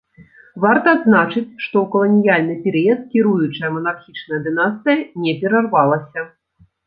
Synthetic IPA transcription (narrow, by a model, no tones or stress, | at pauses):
vart̪ɐːd̪znat͡ʂɨt͡sʲʂt̪ɔwkɐlˠɐnʲijalʲnɨpʲɛɾɨjɐt̪̚kʲiɾujut͡ʂɐjɐmɐnarxʲit͡ʂnɐjɐd̪ɨnast̪ɨjɐnʲɛpʲɛɾarvalˠɐsʲɐ